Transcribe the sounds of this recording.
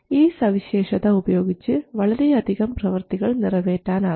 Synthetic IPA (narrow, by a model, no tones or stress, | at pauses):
iːsɐʋiɕeːʂɐðɐubɐjo̞ːɡit͡ɕːɨʋɐɭɐɾeɐd̪ʱiɣɐmprɐʋɐrt̪iɣɐɭnɪrɐʋeːtːaːna